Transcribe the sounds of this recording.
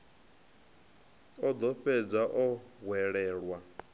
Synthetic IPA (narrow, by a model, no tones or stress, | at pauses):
ɔd̪ɔɸɛd͡zaʔɔβwɛɺɛːɺwa